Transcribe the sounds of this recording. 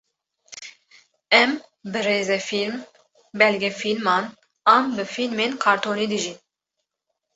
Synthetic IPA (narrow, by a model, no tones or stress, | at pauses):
ɛm | bɨɾeːzɛfilm | bɛlɡɛfilmɑːn | ɑːmbɨfilmeːnkʰɑːɾt̪ʰoːniːd̪ɨʒin